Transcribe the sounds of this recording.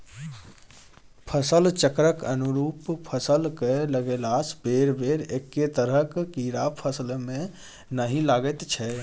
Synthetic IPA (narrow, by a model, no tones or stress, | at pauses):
pʰəsəlt͡ʃəkɾəkənuɾupʰəsəlkɛləɡelasbeɾbeɾekːet̪əɾəkkiɾapʰəsəlme | nəɦĩlaɡɛt̪t͡ʃʰɛ